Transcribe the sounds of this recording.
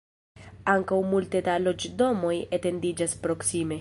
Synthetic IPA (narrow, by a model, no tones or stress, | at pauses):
aŋkawmult̪ed̪alo̞d͡ʒd̪o̞mo̞jet̪e̞nd̪id͡ʒaspɾo̞ksime̞